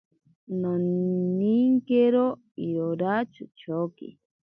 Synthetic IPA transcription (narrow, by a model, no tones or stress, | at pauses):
noniŋkeɾo | ioɾat͡ʃut͡ʃʰokḭ